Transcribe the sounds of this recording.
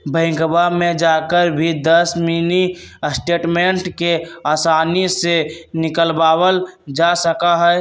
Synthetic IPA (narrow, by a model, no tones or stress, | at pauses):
bʱə̃ɪ̃ŋɡbamed͡ʒakəɾbʱid̪əsminisʈeʈmeɳʈkeasanisenikəlbabəld͡ʒasəkaɦə